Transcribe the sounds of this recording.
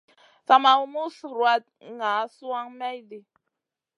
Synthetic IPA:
sa˨ma˨˦mu˦sɾwa˦t̚ŋa˨˦su˦a˦ŋmɛ˦jdi˨

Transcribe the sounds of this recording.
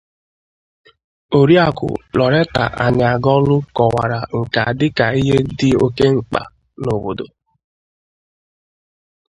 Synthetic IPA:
o˨ɾi˦a˨kʷʊ̰˨lɔ˨ɾe˦ta̰˨ʔa̰˨ɲa˨ɡɔ˦lʊ˦kɔ˨wa̰˨ɾa˨ŋ̩˨ka˨dɪ˦ka˨i˦ɦe˦dɪ˦o˦ke˦ŋ͡m̩˦˨k͡pa̰˨ | no˨bo˨do̰˨

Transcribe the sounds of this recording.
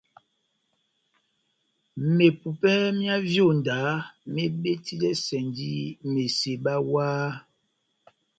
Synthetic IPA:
me˨pu˨pɛ˦mja˦vjo˦˨n˨da˨˦me˦ɓe˦ti˦lɛ˦sɛ˨ndi˦me˨se˨ɓa˦waː˦

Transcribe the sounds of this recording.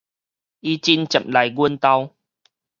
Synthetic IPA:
ʔi˦t͡ɕi˧˦nt͡ɕə˨˩˨m̚la˨˩jɡwə˧nt̪a˧w

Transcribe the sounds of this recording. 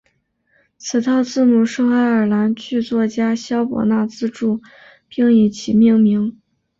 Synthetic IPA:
t͡sʰɹ̩˨˩t̪ʰɑ˥˧ʊt͡sɹ̩˥˩mu˨˩ʂɤ˥˧ŋa˧˥ɪə˞˨˩la˧˥nt͡ɕʰy˥˧t͡swɔ˥˩t͡ɕja˥ɕjɑ˥ʊpwɔ̰˨˩na˥˩t͡sɹ̩˥˧ʈ͡ʂu˥˩ | pi˥ŋi˧˩t͡ɕʰi˧˩mi˥˧ŋmi˧˥ŋ

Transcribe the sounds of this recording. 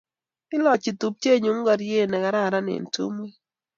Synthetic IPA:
ɪ˦lɔ˨t͡ʃɪ˨t̪u˨p̚t͡ʃe˦˨ɲu˨˦ŋ˦ɡa˨ɾje˦˨nɛ˨ɡa˨˦ɾa˦˨ɾa˦nɪ̰˨ntṵ˦mwe˦

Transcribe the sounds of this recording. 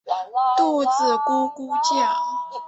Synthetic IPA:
t̪u˥˧t͡sɹ̩˨˩ko˥ku˥t͡ɕjɑ˥˩

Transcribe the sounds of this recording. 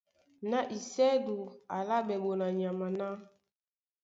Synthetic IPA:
na˦ʔi˨sɛ˦du˨a˨la˦bɛ˨bo˨na˨ɲa˨ma˨na˦

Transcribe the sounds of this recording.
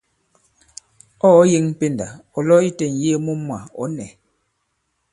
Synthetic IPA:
ɔ˦je˦ŋm̩˦pe˦nda̰˨ɔ˨lɔ˦i˦tɛ˨n˨je˦mu˦mwa˨ɔ̰˨˦nɛ˨

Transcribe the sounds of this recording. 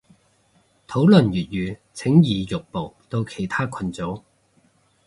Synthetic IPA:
t̪ʰo˨˥wlɵ˨˩njyː˨t̚jyː˨˧t͡sʰɪ˨˥ŋjiː˨jʊ˨k̚po˨˩wt̪o˧wkʰe˨˩jt̪ʰaː˥kʰɐ˧nt͡so˨˥w

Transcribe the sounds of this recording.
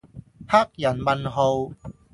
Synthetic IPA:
ha˥k̚jɐ˨˩nmɐ˨nɦo˧w

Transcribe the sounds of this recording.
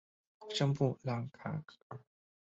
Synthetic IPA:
ʂə˥ŋpu˥˨la˨˧˩ŋkʰa̰˨˩˨

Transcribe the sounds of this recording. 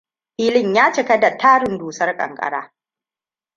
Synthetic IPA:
ɸiː˦lɪ˦ɲjaː˦t͡ʃɪ˨kɐ˦da˨tʰaː˦ɽɪ˨nduː˨sɐ˦rkʼɐ̰˨ŋkʼɐ̰˨ɽa̰ː˦

